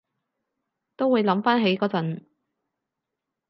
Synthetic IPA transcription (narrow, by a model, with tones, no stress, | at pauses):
t̪o˥wuː˨˧jlɐ˨˥mfaː˥nɦe˨˥jkɔː˨˧˥t͡sɐ˨˥n